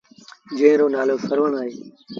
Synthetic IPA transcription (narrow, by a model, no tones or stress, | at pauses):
d͡ʒẽːɪ̃ɾoːnaːloːsəɾʋəɳaːɦeː